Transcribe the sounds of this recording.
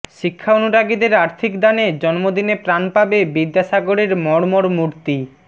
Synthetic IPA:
ʃikʰːaonuʈaɡid̪eɾaɾt̪ʰikd̪aned͡ʑɔnmod̪inepɾanpabebid̪ːaʃaɡoɾeɾmɔɽmoɾmuɾt̪i

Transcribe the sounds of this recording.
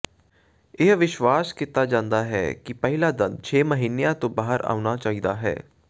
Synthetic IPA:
ɪɦʋɪʃʋaːskɪt̪ːaːd͡ʒãːnd̪aːɦɛ̰ːkɪpɛɦɪlaːd̪ənd̪̚t͡ʃʰeːməɦiːnejãːt̪õːbaːɦəɾa̰ːʊnaːt͡ʃaːiːd̪aːɦɛ̰ː

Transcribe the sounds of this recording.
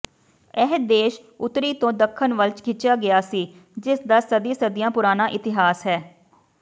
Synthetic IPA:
ɛɦd̪eːʃ | ʊt̪ɾiːt̪õːd̪əkʰːənʋəlt͡ʃkʰɪt͡ʃjaːɡɪjaːsiːd͡ʒɪsd̪aːsəd̪iːsəd̪ɪjãːpʊɾaːnaːʔɪt̪ɪɦaːsɦɛː

